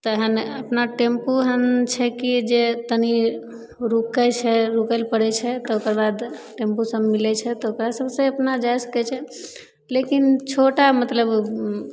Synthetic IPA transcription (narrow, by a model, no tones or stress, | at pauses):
t̪əɦənəpnaʈempuɦənt͡ʃʰɛkid͡ʒet̪əni | ɾukɛt͡ʃʰɛɾukəlpəɽɛt͡ʃʰɛt̪ɔokəɾbad̪ʈempusəmːilɛt͡ʃʰɛt̪ɔokɾasəbsẽəpnad͡ʒajsə̥kɛt͡ʃʰɛ | lekint͡ʃʰoʈamət̪ləb